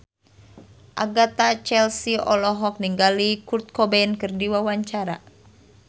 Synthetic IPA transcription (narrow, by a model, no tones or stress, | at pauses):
ʔaɡat̪at͡ʃɛlsiɔ̰lɔɦɔk̚niŋɡalikurt̪̚kɔbɛnkɨrdiwawaɲt͡ʃaɾa